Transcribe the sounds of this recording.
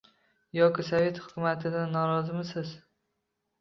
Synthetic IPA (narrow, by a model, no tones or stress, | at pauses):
jɒkʲɪsave̞t̪hʊ̥kʰʊmat̪ʰɪd̪anːɒɾɒzɪmɪsɪz